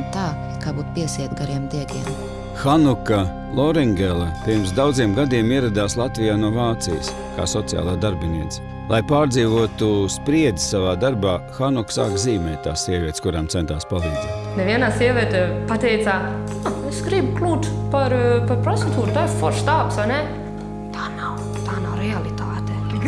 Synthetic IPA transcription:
t̪aː | kaːbuːt̪piɛsiɛt̪ɡaɾiɛmd̪iɛɡʲiɛm | xanuka | lˠɔɾɛŋɡʲɛlˠɐpiɾms̬d̪awd̪ziɛmɡad̪iɛmiɛɾad̪aːslˠat̪vijaːnuɔvaːt̪sḭj̰s | ka̰ːsɔt̪sija̰ːlˠaːd̪aɾbʲiniɛt̪s | lˠajpaːɾd̪ziːvuɔt̪uspɾiɛd̪i̥ssavaːd̪aɾbaːxanuksa̰ːkziːmɛːt̪̚t̪ːa̰ːssiɛvʲiɛt̪skuɾaːmt̪sɛnt̪aːspalˠiːd̪zɛ̰ːt̪nɛvʲiɛnaːsiɛʋʲiɛt̪epat̪ɛjt̪saː | aesɡɾibuklʲˠuːt̪paɾpaɾpɾɔt̪et̪uːɾt̪aːɪɾfɔɾst̪aːpsʋajnɛ | t̪ʰaːnaw | t̪aːnawɾɛalit̪aːt̪e

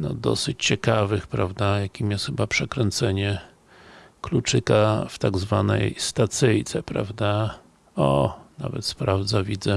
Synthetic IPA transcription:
nɔd̪ɔ̰sɘt͡ɕt͡ɕɛkavɘxpɾavd̪ajakʲimjɛsxɘbapʂɛkɾɛnt̪sɛɲɛ | klut͡ʂɘkaft̪aɡzvanɛ̰jst̪at̪sɘjt̪sɛpɾa̰vd̪a | ɔ̰na̰vɛ̰t̪spɾavd̪zavʲid̪zɛ

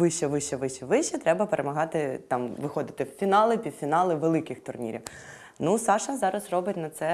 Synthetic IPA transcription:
ʋɪʃɛʋɪʃɛʋɪʃɛʋɪʃɛt̪ɾɛbɐpeɾʔemɐɦɑt̪ɪt̪ɑmʋɪxɔd̪ɪt̪ɪwfʲinɑlˠɪpʲid̪̥fʲinɑlˠɪʋelˠɪkɪxt̪ʊrnʲḭɾʲiw | nusɑʃɐzɑɾɐzrɔbɪtʲnɐt̪sɛ

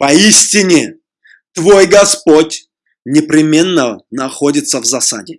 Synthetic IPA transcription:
pɐisʲtʲɪnʲɪ | t̪vojɡɐspotʲ | nʲɪpɾʲɪmʲe̞nːənɐxodʲɪt̪səvzɐsa̰dʲɪ

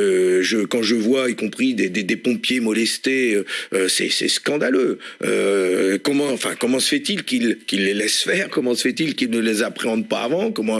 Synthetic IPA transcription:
øʒəkɑ̃ʒəvwaikɔ̃pχid̪ed̪ed̪epɔ̃pjemɔlɛst̪eøøsɛ̰sɛ̰skɑ̃d̪aløø̰kɔmɑ̃ɑ̃fɛ̰̃kɔmɑ̃sə̥fɛt̪ilkʲilkʲilːelɛsfɛʁkɔmɑ̃sə̥fɛt̪ilkilnəlezapχeɑ̃d̪pa̰ːvɑ̃kɔmɑ̃

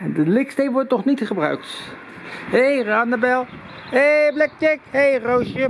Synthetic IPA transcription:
ɛndəlɪkstejʋɔɹtnɔχnitχəbrœ̰ɥk̚t | ɦejraːndəbɛlˠ | heblɛk̚tɪkhejrowʃjə

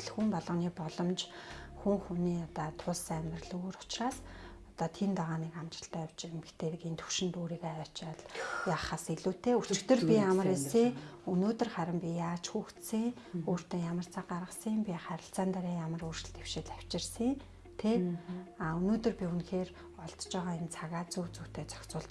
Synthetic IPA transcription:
ɮxumpɔɮɞ̆niːpɔɮɞ̆mt͡ɕxuŋxuniːɔt̪ɔːt̪ʰʊɮsæmʲt̪rə̆ɮoːɾʊ̥t͡ɕraːs | ɔt̪ɔt̪ʰint̪aʁaːniːkamt͡ɕə̆ɬt̪æːjaw̥t͡ɕɪmʰt̪ʰeːt̪ɘ̆kent̪ʰu̥ʃɪ̆nt̪oːɾiːkajɔːt͡ɕaɮjaːχaːsiɮuːt̪eːu̥t͡ɕɪ̆kt̪ɵ̆rpʲiamə̆resiːŋunoːt̪ɵ̆rχæɾʲɪ̆mpʲijaːt͡ɕxuːxt̪siːŋ | oːr̥t̪eːjamə̆r̥t͡sʰaːɢarʁə̆səmpʲiχæɾʲɪ̆ɬt͡saːnt̪aɾiːjamə̆ruːrʃɪ̆ɮt̪ew̥ʃɪ̆ɮæw̥ʲt͡ɕɪ̆rsiŋ | t̪ʰeaːɵnoːt̪ɵ̆rpʲiunxeːr | ɔɮt̪t͡ɕɔːʁaːent͡sʰaɣaːt͡suːt͡suwt̪ʰeːt͡sɔ̥kt͡sʊːɮt̪

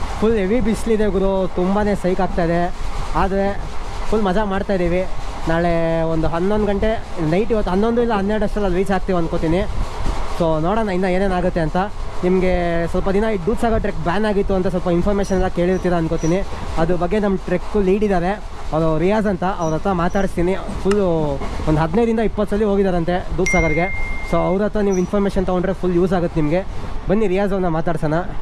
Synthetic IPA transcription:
pʰuleʋibislid̪eɡuɾut̪umbaːne̞ːsɐjkaːk̚t̪aːid̪e̞aːd̪ɐɾe̞ | pʰulːmɐd͡ʒamaːɖt̪aːjd̪iːʋi | naːɭeond̪uɦɐnd̪ond̪ɡɐɳʈe̞nɐjʈiʋot̪ːɦɐnd̪o̞nd̪uilːɐɦɐnːeɾɽuɐʂɾɐlːɐlʋiːt͡ʃaːk̚t̪iːʋɐnkot̪iːni | soːnoːɽaːnainːɐe̞ːneːnaːɡut̪ːe̞ɐnt̪ɐnimɐɡe̞sʋɐlpɐd̪inɐiɖuːʈsaːɡɐɾʈɾek̚baːnaːɡit̪ːuɐnt̪ɐs̬ʋɐlpɐinpʰɐːɾmeːʃɐnɐlake̞ːɭiɾt̪iɾaɐnkot̪iːniɐd̪ubɐɡːe̞nɐmːɐʈɾekːuliːɖid̪aːɾe̞ | ɐʋɾoɾijaːzɐnt̪ɐʔɐʋɾɐt̪ɾɐmaːt̪aːɽist̪iːnipʰulːond̪uɦɐd̪nɐjd̪ɾind̪ɐipːɐt̪ːɾɐlːiɦo̞ːɡid̪aːɾɐnt̪e̞ɖuːʈsaːɡɐɾɡe̞soːɐʋɾɐt̪ɾɐniːʋuinpʰɐːɾmeːʃɐnt̪ɐɡoɳɖɾepʰulːjuːz̬aːɡut̪ːenimɐɡe̞bɐnːiɾijaːzɐʋɾnɐmaːt̪aːɽisɐːnɐ

